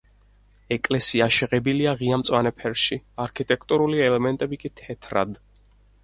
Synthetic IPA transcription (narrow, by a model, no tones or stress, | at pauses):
ɛkʼlɛsiaʃɛʁɛbiliaʁiamt̪sʼwanɛpʰɛɾʃiaɾkʰit̪ʼɛkʰt̪ʼuɾuliɛlɛmɛnt̪ʼɛbikʼit̪ʰɛt̪ʰɾa̰d̪